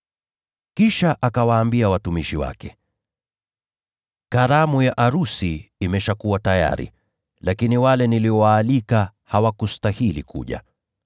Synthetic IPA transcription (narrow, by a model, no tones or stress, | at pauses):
kiʃaʔakawaːmbiawatumiʃiwa̰kɛ | kaɾamujaʔaɾusiimɛʃakuwataja̰ɾḭ | lakiniwalɛniliɔwaːlikahawakustahilḭkʰṵʄa̰